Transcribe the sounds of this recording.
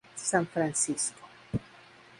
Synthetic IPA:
sãnfɾansisko̥

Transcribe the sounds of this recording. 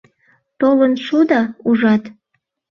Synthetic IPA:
t̪olənʃud̪ɑuʒɑt̪

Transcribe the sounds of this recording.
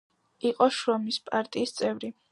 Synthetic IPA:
iqʼɔʃɾɔmispʼaɾt̪ʼiːst̪sʼɛvɾi

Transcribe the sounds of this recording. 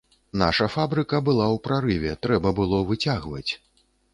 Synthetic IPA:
na̰ʂɐfabɾɨkɐbɨlˠawpɾaɾɨvʲɛt̪ɾɛbɐbɨlˠɔvɨt͡sʲaɣvɐ̰t͡sʲ

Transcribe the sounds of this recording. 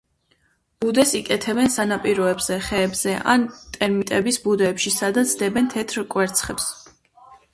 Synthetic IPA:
b̥ud̪ɛsikʼɛt̪ʰɛbɛnsanapʼiɾɔɛbz̥ɛχɛːbz̥ɛʔa̰nt̪ʼɛɾmit̪ʼɛbisbud̪ɛːpʃisad̪at̪sʰd̪ɛbɛnt̪ʰɛt̪ʰɾkʼwɛɾt̪sʰχɛps

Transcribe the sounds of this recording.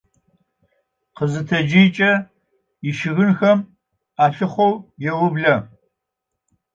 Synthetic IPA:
qəzɨtʰɐd͡ʒɪjt͡ʃʼɐ | iʃɪɣɨnxɐm | aːfɪχʷowjɛwʊbɮɐ

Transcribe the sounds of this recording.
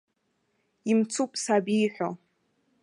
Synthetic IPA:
imt͡sʰupʼsabijħʷᶣo̰

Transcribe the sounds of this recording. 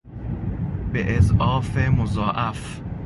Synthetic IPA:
b̥eʔezʔɒːfemozɒːʔæf

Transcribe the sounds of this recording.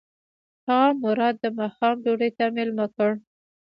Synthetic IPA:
haamʊɾɑd̪̚ːəmɑxɑmɖuɽet̪amɪlmakəɽ

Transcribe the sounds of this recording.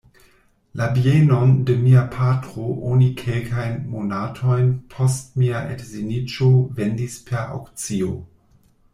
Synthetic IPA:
labienondemiapʰatʁoʔonikʰelkʰajnmonatʰo̞jnpʰost̚miaʔḛtzinit͡ʃovendispʰeɾa̰wkt͡sio

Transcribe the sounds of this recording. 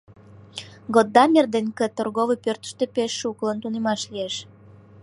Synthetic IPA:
ɡod̪ːɑmʲerd̪enkĕt̪orɣoβəpørt̪ə̥ʃt̪epeʃːuklənt̪unemɑʃlijeʃ

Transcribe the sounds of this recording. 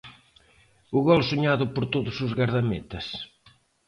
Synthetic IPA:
ʊɣɔlsuɲaðʊpoɾt̪oðʊsʊzɣaɾðamet̪ɐs

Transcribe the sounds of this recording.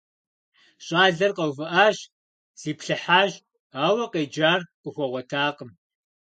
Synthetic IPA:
ɕʼaːɮɐrqɐwvɨʔaːʃ | z̥iːpɬɨħaːʒ | aːwɐqeːd͡ʒaːrqʷʼʊxʷɔʁʷɔtʰaːqəm

